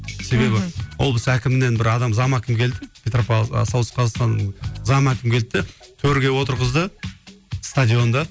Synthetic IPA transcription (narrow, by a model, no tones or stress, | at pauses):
se̞be̞bɪwolˠbəsækʲɪmɪne̞nbɪɾɑd̪ɑmzɑmækʲɪmkʲʰe̞ld̪ɪpʰʲet̪ropɑsɑw̪əsqʰɑzɑst̪ɑnzɑmækʲɪmkʰʲe̞l̚t̪ːɪt̪ʰɵɾɡʲe̞wo̞t̪əɾʁəzd̪ə | st̪ad̪ʲijo̞nd̪ɑ